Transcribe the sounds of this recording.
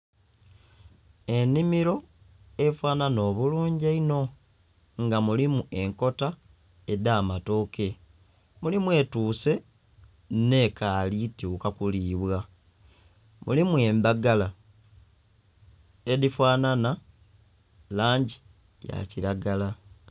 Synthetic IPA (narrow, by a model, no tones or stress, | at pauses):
e̞nimiɾo̞ | e̞fwaːnano̞ːβuluːɲɟaino̞ | ŋɡamulimue̞ŋko̞ta | edaːmato̞ːke̞ | mulimwe̞tuːse̞ | ne̞kaːlituokakuliːβwa | mṵlimue̞ːmbaɡala | edifwaːnana | laːɲɟi | ja̰ciɾaɡala